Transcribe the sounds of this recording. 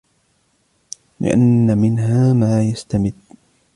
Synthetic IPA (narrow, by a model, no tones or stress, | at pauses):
lɪ̰ʔa̰nːamɪnɦaːmaːjast̪amɪd̪